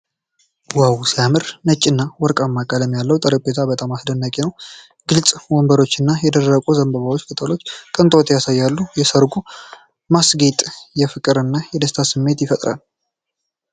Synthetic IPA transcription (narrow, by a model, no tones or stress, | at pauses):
wawusijamɨɾnət͡ʃʼːɪnːawɔɾkʼamːakʼalɛmːjalːəwt̪ʼəɾək̚ʼbet̪ʰabət̪ʼamasd̪ənːəkʼenəw | ɡ̥ɨlt͡sʼwɔmbəɾo̞t͡ʃːɨnːajɛd̪ərəkʼuzəmbəβawot͡ʃːkʰet̪ʰalo̞t͡ʃːkʼɨnt̪ʼot̪jasajːalːujɛsəɾɡu | masɡet̪ʼjɛfɨkʼɨɾɨnːajɛd̪əst̪ʰasɨmːe̞t̪jɪfət̪ʼɾa̰l